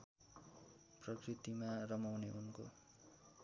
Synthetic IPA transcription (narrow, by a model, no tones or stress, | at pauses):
prʌkrit̪imarʌmawneunko